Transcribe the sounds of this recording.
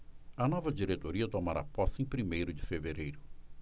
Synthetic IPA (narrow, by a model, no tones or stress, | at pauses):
ɐnɔvɐd͡ʒiɾet̪oɾiɐt̪omaɾa̰pɔsẽpɾimejɾʊd͡ʒɪfeveɾejɾʊ